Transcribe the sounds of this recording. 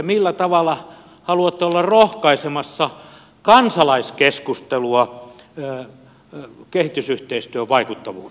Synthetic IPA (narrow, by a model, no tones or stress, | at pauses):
milːæt̪ɑʋɑlːˑɑ | hɑluɑt̪ːeolːɑrohkɑisemɑsːɑ | kɑnsɑlɑiskeskust̪eluɑ | kehit̪ysyht̪eist̪yøʋʋɑikut̪ːɑʋṵː